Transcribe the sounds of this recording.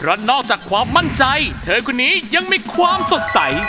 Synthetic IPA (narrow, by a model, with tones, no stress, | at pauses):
pʰɾɔ˦˥nɔː˥˩k̚t͡ɕaː˨˩kʰːwaː˧mːa˥˩nt͡ɕa˧jt̪ʰɤː˧kʰu˧nːiː˦˥ja˧ŋmiː˧kʰwaː˧mso˨˩t̪̚sa˩˦j